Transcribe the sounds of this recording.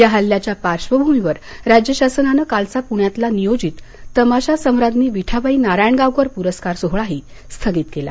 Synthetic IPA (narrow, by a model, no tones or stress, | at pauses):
jaɦəlːjat͡ɕjapaɾɕʋəbʱumiʋəɾ | ɾad͡ʑjəɕasənanəkalt͡sapuɳjat̪lanijod͡ʑiːt̪ː | əmaɕasəwɾad̪niːʋiʈʰaʋaiːnaɾajɳɡawkʋəɾpuɾəskaɾsoɦɭaɦiː | st̪ʰəɡiːt̪kela̰